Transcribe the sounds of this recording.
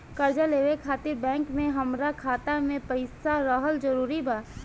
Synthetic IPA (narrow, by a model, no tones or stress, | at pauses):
kəɾd͡ʒaleːʋekʰaːt̪ɪɾbɛ̃ːŋkmẽɦɐmɾakʰaːt̪amẽpəɪsaɾəɦəld͡ʒəɾuːɾibaː